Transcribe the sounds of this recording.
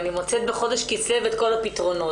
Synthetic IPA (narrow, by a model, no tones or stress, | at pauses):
nimot͡set̪̚beχo̞deʃkit͡sevet̪ko̞lapit̪ʁo̞no̞